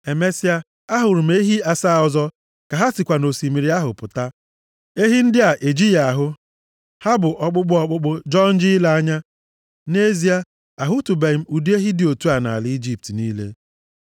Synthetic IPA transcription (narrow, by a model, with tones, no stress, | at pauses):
e˨me˦si˦a˦ | a˦ɦʊ˨ɾʊ˨m̩e˦ɦi˦a˨sa˦˨ɔ˨zɔ˦ | ka˨ɦa˦sɪ˨kʷa˨no˨si˨mi˨ɾi˦a˦ɦʊ˨pʊ˨ta˦ | e˦ɦi˦n̩˦dɪ˦a˨ʔe˨d͡ʒi˦ja˨a˨ɦʊ˦ | ha˦bʊ˨ʔɔ˦k͡pʊ˦k͡pʊ˦ɔ˦k͡pʊ˦k͡pʊ˦d͡ʒɔ˦n̩˦d͡ʒi˦la˦a˦ɲa˦ | ne˦zi˦a˦ | a˨ɦʊ˦tu˨be˨˦m̩˦u˨du˦e˦ɦi˦dɪ˨o˨tu˦a˨na̰˨a˨li˦d͡ʒi˦p̚tniː˦lḛ˦